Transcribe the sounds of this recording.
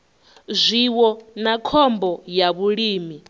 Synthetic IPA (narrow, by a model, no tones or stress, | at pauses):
zʷiwɔnakʰɔmbɔjaβuɺiːmi